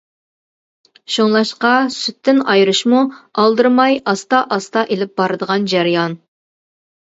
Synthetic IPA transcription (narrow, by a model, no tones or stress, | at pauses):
ʃoŋlˠɑʃqɑsyt̪ʰːɪnɑjɾɨʃmuɑlˠd̪ɨɾmɑjɑst̪ɑʔɑst̪ɑʔelɪp̚bɑɾɨd̪əʁɑnd͡ʒæɾɨjɑn